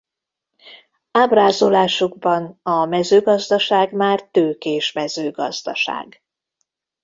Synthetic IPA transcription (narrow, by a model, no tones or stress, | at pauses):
aːbraːzolaːʃuɡbɒnɒmɛzøːɡɒzd̪ɒʃaːɡmaːrt̪øːkeːʃmɛzøːɡɒ̰zd̪ɒʃa̰ːɡ